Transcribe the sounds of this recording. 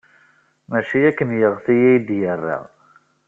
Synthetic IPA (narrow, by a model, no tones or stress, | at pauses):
mæʃijækːənjəʁθijæjd̪jərːḭʁ